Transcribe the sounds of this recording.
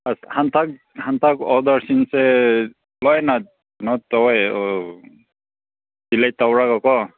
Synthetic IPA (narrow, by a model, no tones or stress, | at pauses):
ashant̪ʰak̚ | hant̪ʰakɔd̪ɔɹsinsɛ | lɔjna | nɔt̪ɔwjɔ | dilajt̪awɹakɔkɔ